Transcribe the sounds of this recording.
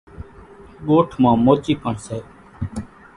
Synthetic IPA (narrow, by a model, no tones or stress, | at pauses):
ɠoːʈʰmãːmoːt͡ʃiːkəɳseː